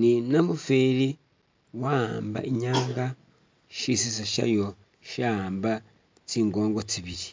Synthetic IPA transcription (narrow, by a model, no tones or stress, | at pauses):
ninamufeːɾi | wamba̰ʔiɲaːŋɡa | ʃisisaʃa̰jo | ʃamba | t͡siːŋɡoːŋɡot͡siβiɾi